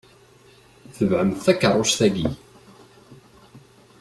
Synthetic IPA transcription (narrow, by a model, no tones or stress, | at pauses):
θəvʕəmθθækːərˤːʊʃθæɡi